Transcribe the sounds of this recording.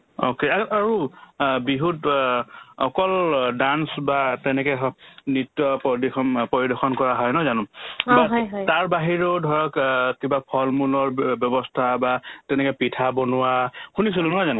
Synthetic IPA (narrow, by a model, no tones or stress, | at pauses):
o̰keaaɹubiɦut | ɔ̰kɔldansbatɛnɛkɛnitːɔpdixɔnpɔɹidɔxʰɔnkɔɹaɦɔjnɔjzanʊ̃baɦjtaɹbaɦiɹodʱɔɹɔkkibapʰɔlmulɔɹbjɔbɔstʰabatɛnɛkɛpitʰabɔnʊwakʰunis̬ilʊ̃nɔjzanʊ̃